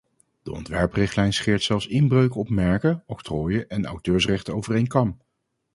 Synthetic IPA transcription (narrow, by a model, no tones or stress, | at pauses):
d̥əɔ̰ntʋɛɹprɪχtlɛjnsχɪːɹtsɛlˠfsɪnbrøɥkəɔpmɛɹkəɔktroːjəʔɛnɑ̰wtøːɹsrɛχtəowvərejŋkɑm